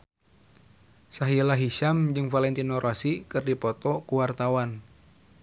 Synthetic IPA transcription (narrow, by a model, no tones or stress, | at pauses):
saɦilaɦiʃamd͡ʒɨŋfalɛnt̪inɔɾʔasikɨrdipɔt̪ɔkuwart̪awan